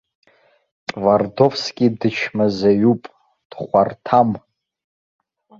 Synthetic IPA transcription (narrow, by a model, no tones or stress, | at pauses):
tʼvardo̞fskʲʼidɨt͡ʃʰmazaɥupʼ | d̥χʷartʰam